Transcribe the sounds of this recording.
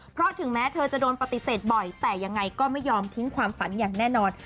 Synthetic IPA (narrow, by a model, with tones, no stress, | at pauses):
pʰɾɔ˦˥t̪ʰɯ˩˦ŋmɛː˦˥t̪ʰɤː˧t͡ɕa˨˩doː˧npa˨˩t̪i˨˩seː˨˩t̪̚bɔ˨˩jt̪ɛː˨˩ja˧ŋːa˧jkɔː˥˩ma˥˩jːɔː˧mt̪ʰi˦˥ŋkʰwaː˧mfa˩˦njaː˨˩ŋnɛː˥˩nɔː˧n